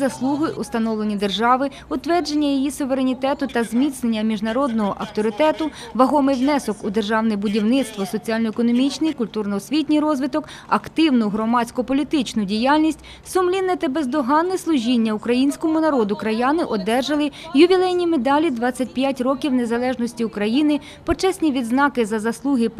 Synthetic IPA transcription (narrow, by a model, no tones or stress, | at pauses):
zɐslˠuɦʊjʔʊst̪ɐnɔʋlˠenʲid̪e̞rʒɑʋɪ | ʊt̪ʋɛrd͡ʒenʲːɐjijisʊʋe̞ɾenʲit̪ɛt̪ʊt̪ɐzmʲit̪snenʲːɐmʲiʒnɐɾɔd̪nɔɦɔʔɐwt̪ɔɾɪt̪ɛt̪ʊʋɐɦɔmɪjwnɛsɔkʊd̪erʒɑwnɪjbʊdʲiwnɪt̪st̪ʋɔsɔt͡sʲialʲnɔɛkɔnɔmʲit͡ʃnɪjkʊlʲt̪urnɔːsʲʋʲitʲnʲijrɔzʋɪt̪ɔk | ɐkt̪ɪwnʊɦɾɔmɑt͡sʲkɔpɔlʲit̪ɪt͡ʃnʊdʲijalʲnʲisʲtʲ | sʊmlʲinːɛt̪ɐbezd̪ɔɦɑnːɛslˠʊʒʲinʲːɐukɾɐjinʲsʲkɔmʊnɐɾɔd̪ʊkɾɐjɑnɪʔɔd̪ɛrʒɐlˠɪjʊʋʲilˠɛjnʲimed̪ɑlʲid̪ʋɑt͡sʲːɐt̚ʲpjatʲrɔkʲiwnezɐlˠɛʒnɔsʲtʲiʊkɾɐjinɪ | pɔt͡ʃɛsʲnʲiʋʲid̪znɑkɪzɐzɐslˠuɦɪ